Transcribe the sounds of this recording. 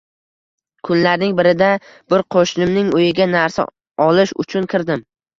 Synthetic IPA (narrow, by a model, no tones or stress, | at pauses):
kʰʊnlaɾnɪŋbɪɾɪd̪a | b̥ʊɾqʰoʃnɪmnɪŋojɪɡʲanaɾsa̰ | ɒlɪʃʊ̰t͡ʃʰʊnkʲʰɪɾd̪ɪm